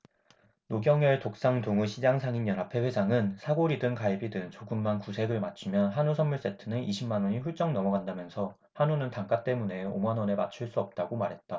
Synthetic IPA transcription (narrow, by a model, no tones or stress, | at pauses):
noɡjʌŋʌɭtok̚s͈aŋtoŋuɕʰid͡ʑaŋsʰaŋinjʌnɦapʰe̞ɸwe̞sʰaŋɯnsʰaɡoɾidɯŋkaibidɯŋt͡ɕoɡɯmːankusʰe̞ɾɯɭmat͡ɕʰumjʌnɦanusʰʌnmuɭs͈e̞tʰɯnɯnʔiɕʰimanwʌɲiɸuɭt͡ɕ͈ʌŋnʌmʌɡandamjʌnsʰʌ | hanunɯntaŋk͈at͈e̞mune̞o̰manwʌnemat͡ɕʰuɭs͈uʌp̚t͈aɡomaɾɦe̞t̚t͈a